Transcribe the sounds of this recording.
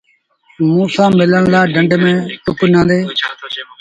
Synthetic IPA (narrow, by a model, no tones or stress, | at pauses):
mũːsãːmɪləɳlaːɖəɳɖmẽːt̪ʊknãːnd̪eː